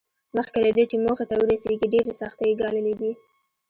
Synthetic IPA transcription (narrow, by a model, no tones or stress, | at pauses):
məxkelad̪et͡ʃemoxet̪awəɾaseɡiɖeɾesɑxt̪ajiɡɑləled̪i